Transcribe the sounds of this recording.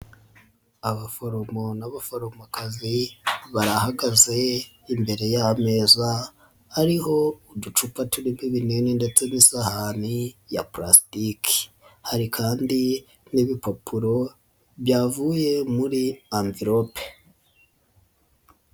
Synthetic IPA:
aβafoɾo̞mo̞naβafoɾo̞makaziβaɾahaɡaze̞ | imbe̞ɾe̞jame̞za | aɾiho̞udut͡ʃupatuɾimiβineninde̞t͡se̞nisahanijapɾastikʰi̥ | haɾikʰaːndi | niβipapʰuɾo̞ | βjaːvuje̞muɾiambiɾo̞pe̥

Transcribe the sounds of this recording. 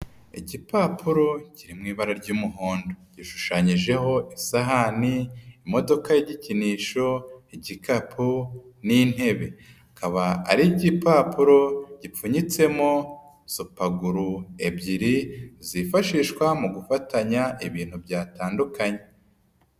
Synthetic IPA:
ḭɟipaːpʰuɾo̞ciɾimŋiːβaɾaɾɟuːmuɦoːndoɟ̥iʃu̥ʃaɲiʒe̞ɦo̞ʔisaɦaniːmo̞do̞kajeɟiciniːʃo̞iɟikapʰunin̥he̞βe̞ | akaβaa̰ɾiɟipaːpuɾo̞ɟ̥ip͡fuɲit͡se̞mo̞ | supaɡuɾue̞bɟiɾizifaʃiʃkwamuɡufatʰaɲaʔiβiːn̥hubɟaːtaːndukaɲe̞

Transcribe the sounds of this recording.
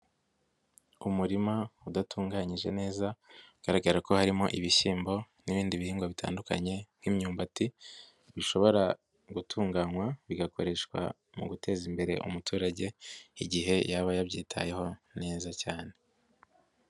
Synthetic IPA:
umuɾimaudatʰuːŋɡaɲiʒe̞ne̞ːzaɡ̥aɾaɡaɾako̞haɾimo̞̰ʔiβiʃiːmbo̞ | niβiːndiβihiːŋɡoβitʰa̰ːnduka̰ɲe̞n̥himɲuːmbati | βiʃo̞βo̞ɾa | ɡutʰuːŋɡaːŋwaβiɡako̞ɾe̞ʃkwa̰ | mṵɡutʰe̞ːzimbe̞ɾe̞̰ʔṵmutʰuːɾaɟe̞iɟiɦe̞jaβajaβɟiːtʰa̰je̞ho̞ne̞ːzacaːne̞

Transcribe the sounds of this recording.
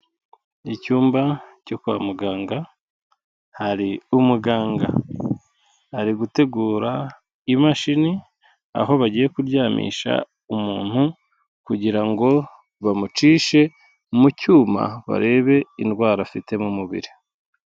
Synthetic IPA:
icuːmbacokwa̰ːmuɡaːŋɡa | haɾiumuɡaːŋɡa̰ | haɾiɡute̞ɡuːɾa | imaʃini | a̰ɦo̞βaɟiːje̞kuɾjaːmḭːʃa̰ | umuːn̥hu | kuɟiɾaŋɡo̞ | βamut͡ʃiːʃe̞ | mucuːma̰βa̰ɾe̞ːβe̞inɡwaːɾafite̞mumuβḭɾi

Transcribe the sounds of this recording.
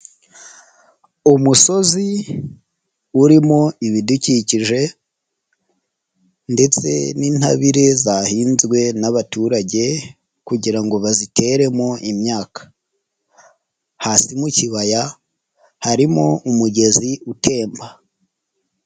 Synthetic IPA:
umuso̞zi | uɾimoiβiduciciʒe̞ | nde̞t͡se̞̰niːnha̰βiɾe̞zahiːnzɡwe̞naβatuɾaɟe̞ | kuɟiɾaŋɡo̞βazite̞ɾe̞moʔimɲaːkḁ | hasimuciβaja | haɾimo̞umuɟe̞ziutʰe̞ːmba

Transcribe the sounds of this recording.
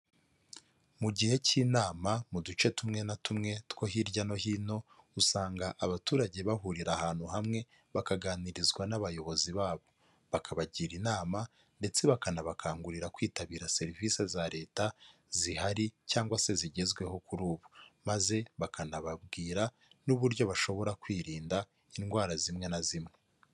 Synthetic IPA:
muɟihe̞cinaːmamudut͡ʃe̞tumŋe̞natumŋe̞tko̞ɦiɾɟano̞hino̞usaːŋɡaʔaβatuːɾaɟe̞βahuɾiɾahaːn̥huhamŋe̞ | βakaɡaːniɾizɡwanaβajo̞βo̞ziβaːβo̞ | βakʰaβaɟiːɾinaːma | nde̞t͡se̞βakanaβakʰaːŋɡuɾiɾakwiːtaβiːɾase̞ɾivise̞zaɾe̞ːta | zihaɾicaːŋɡwase̞ziɟe̞zɡwe̞ho̞kuɾuːβumaze̞βakanaβabɡiːɾa | nuβuɾjo̞βaʃo̞βo̞ɾakwiːɾiːnda | inɡwaːɾazimŋe̞nazimŋe̞

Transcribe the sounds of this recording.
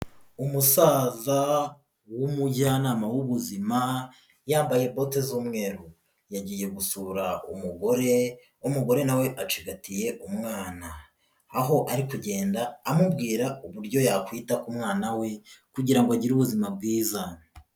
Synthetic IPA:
umusaːza | wumuɟanaːmawuβuzima | jaːmbaje̞bo̞tezuːmŋe̞ːɾu | jaɟiːje̞ɡusuɾaṵmuɡo̞ɾe | umuɡo̞ɾenawe̞ʔat͡ʃiɡatije̞umŋaːnaː | ɦo̞ʔaɾikuɟe̞ːndaːmubɡiːɾauβuɾɟo̞jakwiːtakumŋaːnawe̞kuɟiɾaŋɡoaɟiɾuβuzimab̚ɡiːza

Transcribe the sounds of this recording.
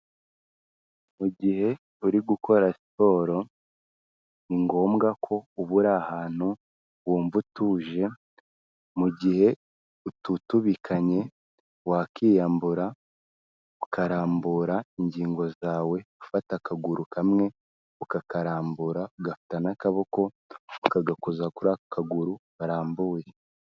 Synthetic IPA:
muɟihe̞ | uɾiɡuko̞ɾasi̥po̞ːɾo̞ | niŋɡo̞ːmɡakʰo̞uβuɾahaːn̥hu | βwoːɱvutuʒe̞ | muɟihe̞ | ututuβikʰaɲe̞ | wakiːjaːmbuɾa | ukaɾaːmbuɾaiɲɟiːŋɡo̞zaːwe̞ufatakaɡuɾukamŋe̞ | ukakaɾaːmbuɾauɡafi̥tanakaβoko̞ | ukaɡakozakuɾakaɡuɾuβaɾaːmbuːje

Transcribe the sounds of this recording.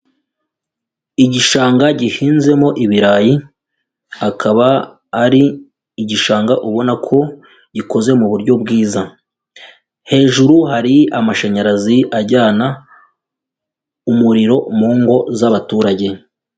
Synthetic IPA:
iɟiʃaːŋɡaɟiʃiːnze̞mo̞ʔiβiɾaːji | akʰaβaː | ɾiː | ɟiʃaːŋɡaʔuβo̞nakʰo̞ | ɟiko̞ze̞muβuɾɟo̞bɡiːza | he̞ːʒuɾuɦaɾiamaʃaɲaɾaziʔaɟaːna | umuɾiɾo̞muːŋɡo̞zaβatuːɾaɟe̞

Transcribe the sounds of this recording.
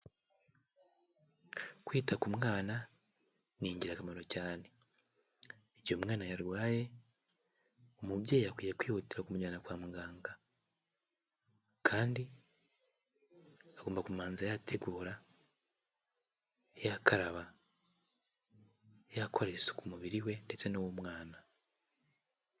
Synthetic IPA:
kwiːtakumŋaːna | niːɲɟiɾakamaɾo̞caːne̞ | ejo̞mŋaːnajaɾwaːje̞ | omubjeːjakwijekwiːhotiɾakumuɲanakwaːmuɡaːŋɡa | kʰaːndi | aɡoːmbakumaːnzajatʰeɡuːɾa | jakaɾaβa | jakʰo̞ɾeso̥kumuβiɾiwe̞nde̞t͡se̞nowomŋaːna

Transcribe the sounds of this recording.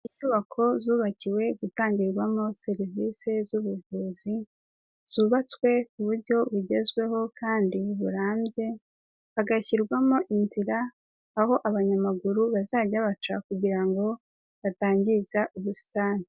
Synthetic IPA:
iɲuβakʰo̞zuːβaciwe̞ɡutaːɲɟiɾɡwamo̞se̞ɾivise̞zuβuvuːzi | z̥uːβat͡swe̞kuβuɾɟo̞βuɟe̞zɡwe̞ho̞kaːndiβuɾaːmbɟe̞ | βaɡaçiɾɡwamo̞ʔinziɾaː | ho̞ʔaβaɲamaɡuɾuβazaːɟaβat͡ʃakuɟiɾaŋɡo̞ | βataːɲɟizaʔuβusi̥taːnii

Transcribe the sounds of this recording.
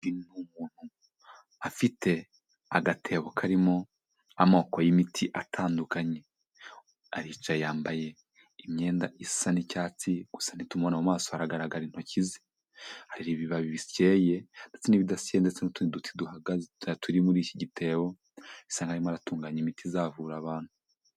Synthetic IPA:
inumuːn̥hu | afitʰe̞ | aɡatʰe̞βokʰaɾimo̞ | amo̞ːkojimitʰiʔatʰaːndukaɲe̞ | aɾiːt͡ʃajaːmbaje̞ | imɲe̞ːndaʔisanicaːt͡siɡ̥usḁnitumβonamumaːsohaɾaɡaɾaɡaɾin̥hocizi | haɾiɾiβiβaβiβisce̞ːje̞nd̥et͡seniβidasijendet͡senotuidutʰi̥duhaɡazetʰuɾimuɾiːciɟitʰe̞ːwo̞ | isaːŋɡaɾimoaɾatuːŋɡaːɲimitʰizaːvuːɾaβaːn̥hu

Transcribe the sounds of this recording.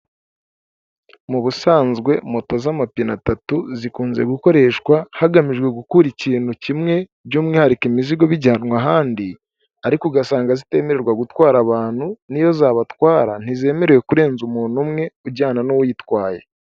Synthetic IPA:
muβusaːnzɡwe̞mo̞to̞zamapinatatuzikuːnze̞̰ɡuko̞ɾe̞ːʃkwahaɡamiʒɡwe̞ɡukuɾiciːn̥hucimŋe̞ | bɟuːmŋehaɾikimiziɡo̞βiɟaːnŋaɦaːndi | aɾikuɡasaːŋɡazite̞ːme̞ɾeɾɡwaɡutwaːɾaβaːn̥hunijo̞zaːβatwaːɾan̥ize̞ːme̞ɾeje̞kuɾe̞ːnzumuːn̥umŋe̞uɟaːnanowujitwaːje

